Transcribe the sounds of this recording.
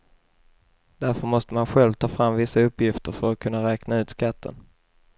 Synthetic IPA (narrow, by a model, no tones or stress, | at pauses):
d̪̥æɾfœɾmɔst̪əmanɧɛlvt̪ʰɑːfɾamːvɪsːaɵpːjɪft̪əɾfœɾat̪̚kʰɵnːaɾɛːknaʉ̟ːt̪skat̪ʰːə̰n